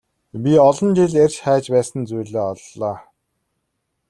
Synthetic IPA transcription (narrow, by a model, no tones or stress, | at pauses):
pʲiɔɮɞ̆nt͡ɕeɮerʲt͡ɕχæːt͡ɕpæːsə̆nt͡sujɮeːɔɮːɔː